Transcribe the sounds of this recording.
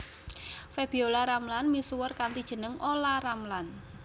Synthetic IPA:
feb̥iolaɾamlanmisuwərkant̪id̥ʒ̥ə̤nəŋolaramlan

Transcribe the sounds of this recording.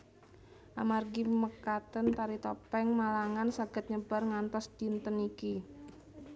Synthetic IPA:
ʔamarɡiməkat̪ənt̪aɾit̪ɔpɛŋmalaŋansaɡ̥ə̤t̪̚ɲəb̥a̤rŋant̪ɔsd̥int̪əniki

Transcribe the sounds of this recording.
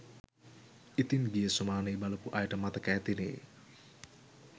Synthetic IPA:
ʔit̪inɡiesumanebaləpuʔajɖəmat̪əkajt̪ine

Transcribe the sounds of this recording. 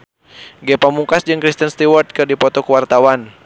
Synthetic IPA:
ɡɛpamukasd͡ʒɨŋkɾist̪ənst̪iwɔrt̪̚kɨrdipɔt̪ɔkəwart̪awan

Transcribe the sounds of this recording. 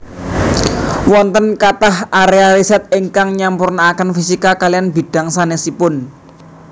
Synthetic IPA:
wɔnt̪ənkat̪ahʔaɾealisɛt̪̚iŋkaŋɲampurnaːkənfisikakalijanbi̤d̥a̤ŋsanesipʊn

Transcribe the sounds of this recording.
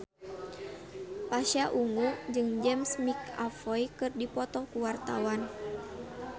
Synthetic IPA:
paʃaʔuŋud͡ʒɨŋd͡ʒɛmsmika̰fɔjkɨrdipɔt̪ɔkuwart̪awan

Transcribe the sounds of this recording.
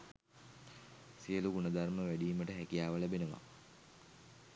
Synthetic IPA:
sijəluɡuɳɐd̪arməʋæɖiːməʈəɦækijaːʋəlæbenəʋa̰

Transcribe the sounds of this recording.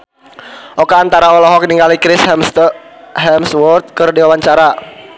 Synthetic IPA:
ʔɔkaːnt̪aɾaɔlɔɦɔk̚niŋɡalikɾɪs | ɦɛmswɔrt̪̚kɨrdiwawaɲt͡ʃaɾa

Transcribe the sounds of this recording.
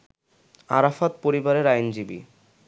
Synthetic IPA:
a̰ɾafat̪̚poɾibaɾeɾajnd͡ʑibḭ

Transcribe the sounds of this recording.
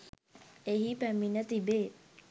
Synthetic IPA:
eɦipæminət̪ibeː

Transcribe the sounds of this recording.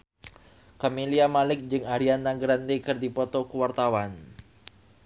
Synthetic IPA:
kamiliamalɪk̚d͡ʒɨŋaɾianːaŋɡɾant̪ekɨrdipɔt̪ɔkuwart̪awan

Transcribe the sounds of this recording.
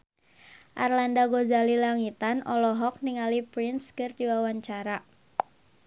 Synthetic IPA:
ʔarlandaɡozalilaŋit̪anɔlɔɦɔk̚niŋalipɾinskɨrdiwawaɲt͡ʃaɾa

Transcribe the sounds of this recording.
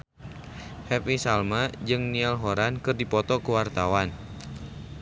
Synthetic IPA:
hɛpisalmad͡ʒɨŋnialɦoɾankɨrdipɔt̪ɔkəwart̪awan

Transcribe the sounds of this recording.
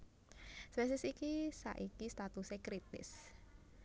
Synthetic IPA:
swɛs̬ɪsikisa̰ʔikist̪at̪usekɾit̪ɪ̰s

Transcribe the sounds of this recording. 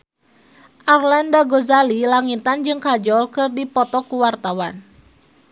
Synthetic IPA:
ʔarlandaɡɔzalilaŋit̪and͡ʒɨŋkad͡ʒɔlkɨrdipɔt̪ɔkuwart̪awan

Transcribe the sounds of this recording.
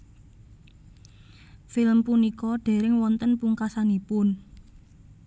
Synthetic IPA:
filəmpunikɔɖ̥e̤ɾɪŋwɔnt̪ənpuŋkasanipʊn

